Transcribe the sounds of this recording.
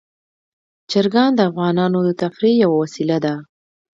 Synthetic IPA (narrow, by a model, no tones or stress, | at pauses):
d͡ʒaɾɡɑnd̪əafɣɑnɑnod̪ət̪afɾijawawasilad̪a